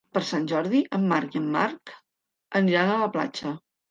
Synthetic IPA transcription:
pəɾsanʲʒɔɾðiʔəmːaɾkiəmːa̰ɾk | əniɾanələpla̰t͡ʃə

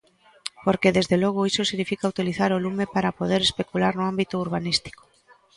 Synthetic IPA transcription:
poɾkeðezðelɔɣ̞ʊisosiɣnifikaut̪iliθaɾolumepaɾapoðeɾespekulaɾnʊambit̪ouɾβ̞anist̪i̥ko̥

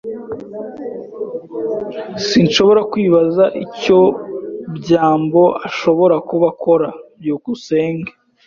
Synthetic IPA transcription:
sinʃo̞βo̞ɾakwiːβazaʔico̞bɟaːmbo̞ʔaʃo̞βo̞ɾakuβakʰo̞ɾabjuːkuse̞ːŋɡe

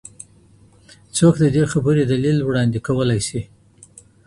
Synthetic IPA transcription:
t͡sokd̪əd̪exabəɾed̪alilwɽɑnd̪ekawəlajsi

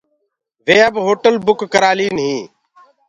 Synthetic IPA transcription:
ʋeːəbɦoːʈəlbʊkːəɾaːliːnɦĩː

